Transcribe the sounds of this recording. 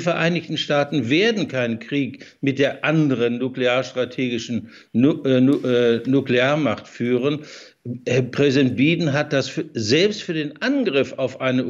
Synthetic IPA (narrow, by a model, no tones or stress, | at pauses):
fɛɐʔaɪnɪçtn̩ʃtaːtn̩veːɐdn̩kʰaɪnənkʁ̥iːkmɪt̚d̥eːɐʔandəʁənːukleaːɐʃtʁ̥atʰeːɡɪʃn̩ | nukleaːɐmaχtfyːʁ̞ən | hɛɐpʁ̥ɛzidɛnt̚b̥iːdn̩ɦat̚d̥asfzɛlpstfyːɐdeːnʔanɡʁɪfaʊfʔaɪnə